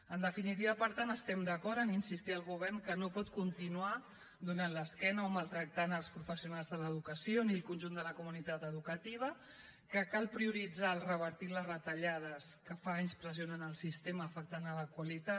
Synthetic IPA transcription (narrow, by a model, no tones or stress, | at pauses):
ənd̪əfinit̪̬iβəpəɾt̪anəst̪ɛmd̪əkɔɾəninsist̪iəlˠɣuβ̞ɛɾnkənopɔt̪kunt̪inua | d̪unanləskɛnəomalˠt̪ɾək̚t̪anəlˠspɾufəsiunalˠzðələðukəsioniəlˠkunʲʒund̪ələkumunit̪at̪əðukət̪iβ̞ə | kəkalˠpɾiuɾid͡zalˠrəβəɾt̪iləzrət̪əʎað̞əskəfaaɲspɾəzionənəlˠsist̪eməːfək̚t̪anələkwəlit̪a